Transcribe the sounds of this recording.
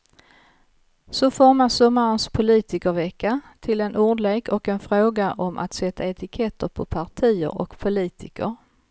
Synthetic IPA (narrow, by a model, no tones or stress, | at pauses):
sɔfɔɾmasɔmːaɾənspʰʊliːt̪ɪkəɾvɛkːat̪ʰɪlɛnʔuɖleːkʰɔkɛnfɾoːɡaʔɔmʔa̰t̪sɛt̪ʰːaɛt̪ɪkʰɛt̪ʰːəɾpʰɔpʰaʈʰiːə̰ɾɔ̰kpʰʊliːt̪ʰɪkəɾ